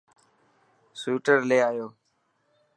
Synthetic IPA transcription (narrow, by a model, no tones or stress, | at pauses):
suːʈəɾleːaːjoː